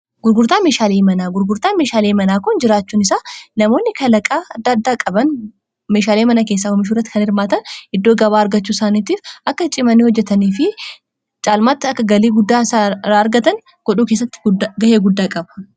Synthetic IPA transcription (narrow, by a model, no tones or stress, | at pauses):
ɡʊɾɡʊɾt̪aːmeːʃaːleːmɐnaːɡʊɾɡʊɾt̪aːmeːʃaːleːmɐnaːkʊnd͡ʒɪɾaːt͡ʃːuːnɪsaːnɐmo̞ːnːɪkɐlɐkʼaːɐd̪ːɐd̪ːaːkʼɐbɐn | meːʃaːleːmɐnɐke̞ːs̬ːaːhɔmɪʃ̬uːrːɐt̪ːɪ̥kɐnɪɾmaːt̪ɐnɪd̪ːoːɡɐβaːɐɾɡɐt͡ʃːuːsaːniːt̪iːfʔɐkːɐt͡ʃʼɪmɐnːiːhɔd͡ʒːɛt̪ɐniːfɪ | t͡ʃʼaːlmaːt̪ːɪɐkːɐɡɐleːɡʊd̪ːaːsaːɾaːɐɾɡɐt̪ɐn | ɡ̥ɔᶑuːke̞ːsːɐt̪ːɪ̥ɡɐheːɡʊd̪ːaːkʼɐbɐ̥